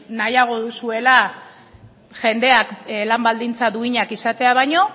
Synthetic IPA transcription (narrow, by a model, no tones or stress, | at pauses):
najaɣ̞o̞ðusue̞la | ʝe̞nd̪e̞aklambald̪int͡saðuiɲakisat̪e̞aβ̞ajɲo̞